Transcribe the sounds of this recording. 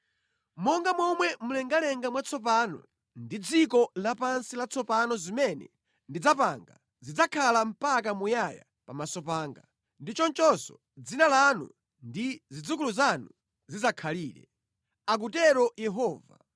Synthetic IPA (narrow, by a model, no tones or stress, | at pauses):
mɔŋɡamwɔmwɛmulɛŋɡalɛŋɡamwat͡sʰɔp̬aːnɔ̰ | ndid͡zikɔlapansilat͡sʰɔpanɔzimɛnɛ̰ | ndid͡zapa̰ŋɡa̰ | zid͡zakʰalam̩pak̬amujaja̰ | pamasɔpaːŋɡa | ndit͡ʃɔnt͡ʃɔsɔ | d͡zinalanṵ | ndizid͡zuk̬uluzanu | zizakʰaliːɾɛ̰ | ak̬utɛɾɔjɛɦɔːva̰